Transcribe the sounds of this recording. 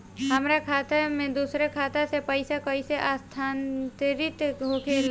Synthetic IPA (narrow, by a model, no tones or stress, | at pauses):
ɦəmɾakʰaːt̪amẽd̪uːsɾekʰaːt̪asepəɪsakəiseʔaːst̪ʰaːnt̪ɾɪt̪ɡʱoːkʰel